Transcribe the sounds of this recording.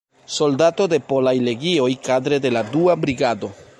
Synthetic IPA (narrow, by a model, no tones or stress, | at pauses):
so̞ldato̞de̞po̞lajle̞ɡio̞jkadɾe̞de̞laduabɾiɡado̞